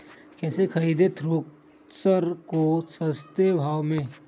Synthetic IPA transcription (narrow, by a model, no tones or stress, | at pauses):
kɛːsekʰɐɾiːd̪et̪ʰɾoːk̚ | səɾkosəst̪ebʱaːʋmẽ